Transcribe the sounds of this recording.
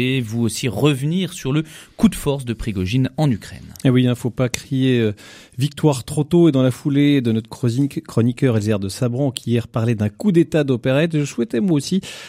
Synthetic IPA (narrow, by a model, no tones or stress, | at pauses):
evuosiʁəvniʁsyʁləkud̪fɔʁsd̪əpχiɡɔʒinɑ̃nykχɛ̰newiɛ̃fopakχieø | vik̚t̪waʁt̪χot̪oed̪ɑ̃lafuled̪ənɔt̪χkχɔnikʲœʁɛlzɛʁd̪əsabʁɑ̃kʲijɛʁpaʁlɛd̪ɛ̃kud̪et̪ad̪opeʁɛt̪ʒəswɛt̪ɛmwaosi